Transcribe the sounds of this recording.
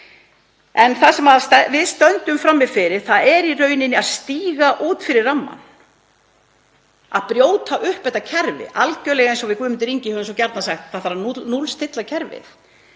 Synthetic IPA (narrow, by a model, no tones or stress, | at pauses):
ɛnθasɛmaðst̪ɛvɪðst̪œnt̪ʏmfɾamːɪðfɪɾɪɾ̥θaðɛɾirœːɥnɪnːɪaðst̪iːɣaʔuːt̪fɪɾɪɾramːa̰n | a̰ðpɾjoːwt̪ʰaʔʏhpɛht̪ːacʰɛɾvɪ̰ʔalcœːlɛɣaɛ̃nsɔvɪðkʏːmɪnt̪ɪɾiɲcɪhœːvʏmsɔcɛɾt̪nasaxt̪θaðfaɾaunulst̪ʰɪt̪lacʰɛɾvɪ̰θ